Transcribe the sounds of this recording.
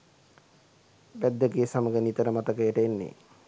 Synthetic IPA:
bæd̪ːəɡeːsaməɡənit̪əɾəmat̪əkəjəʈəenːḛ

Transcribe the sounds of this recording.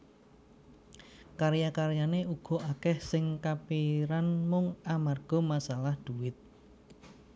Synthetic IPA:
kaɾjakaɾjaneuɡ̥ɔ̤akɛhsɪŋkapiɾanmʊŋamarɡ̥ɔ̤masalahd̪̥uwɪt̪̚

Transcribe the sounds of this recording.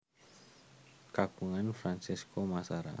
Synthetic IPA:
kakuŋanfɾansiskomasaɾa̰

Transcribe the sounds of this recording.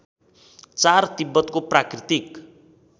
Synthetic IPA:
t͡sart̪ibːʌt̪koprakrit̪ik

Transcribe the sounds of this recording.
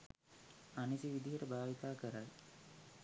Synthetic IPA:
anisiʋid̪iɦəʈəbaːʋit̪aːkəɾaj

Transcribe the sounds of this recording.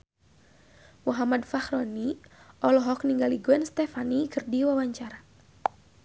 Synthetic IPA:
muɦamad̪fahɾɔniɔlɔɦɔkniŋɡaliɡuɛnst̪ɛfanikɨrdiwawaɲt͡ʃaɾa

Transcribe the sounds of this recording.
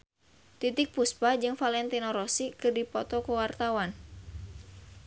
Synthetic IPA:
t̪it̪ɪk̚puspad͡ʒɨŋfalɛnt̪inɔɾɔsikɨrdipɔt̪ɔkuwart̪awan

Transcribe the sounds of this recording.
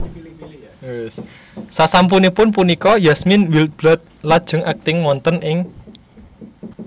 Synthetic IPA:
sasamp̬unipʊnp̬unikɔjasmɪnwilt̪̚b̥lat̪̚lad̥ʒ̥ʊ̤ŋak̚t̪ɪŋmɔnt̪ənʔɪŋ

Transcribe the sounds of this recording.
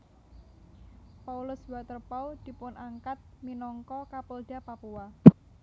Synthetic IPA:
paulʊsbat̪ərpawd̪̥i̤pʊnʔaŋkat̪̚minɔŋkɔkapolɖ̥apapua

